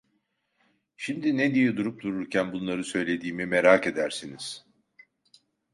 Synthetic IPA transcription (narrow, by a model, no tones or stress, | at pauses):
ʃimd̪ined̪ijɛd̪uɾup̚d̪uɾuɾcʰænbunlˠaɾɯsø̞jlʲe̞d̪iːmimeɾake̞d̪æɾsiniz̥